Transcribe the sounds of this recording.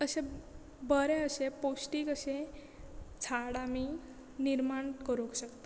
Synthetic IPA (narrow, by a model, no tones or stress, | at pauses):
əse | bəɾeəseposʈiːkəse | t͡sʰaɽamiː | niɾmaɳkəɾokɕəkt̪o